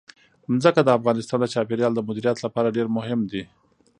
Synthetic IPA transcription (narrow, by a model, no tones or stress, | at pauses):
mzəkad̪əafɣɑnɪst̪ɑnd̪ət͡ʃɑpeɾjɑld̪əmʊd̪iɾijɑt̪lapɑɾaɖeɾmʊɦɪmd̪i